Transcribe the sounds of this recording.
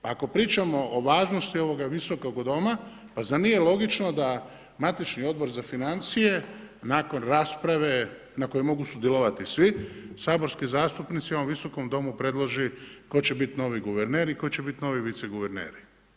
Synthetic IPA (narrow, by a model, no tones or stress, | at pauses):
paako̞pɾiːt͡ʃamo̞ʔoʋaːʒno̞st̪io̞ʋo̞ɡaʋiso̞ko̞ɡd̪o̞ma | pazanijelˠo̞ɡit͡ʃno̞d̪a | mat̪it͡ʃnio̞d̪̚bo̞ɾzafinant̪sije̞ | naːko̞nɾaːspɾaʋe̞ | nako̞jemo̞ɡusud̪jelˠoʋat̪isʋisaːbo̞ɾskizaːst̪upnit̪siooʋiso̞ko̞md̪o̞mupɾe̞d̪lˠoʒiko̞t͡ɕe̞bit̪no̞ʋiɡuʋeɾneːɾiko̞t͡ɕe̞bit̪no̞ːʋiʋit̪seɡuʋeɾnḛːɾi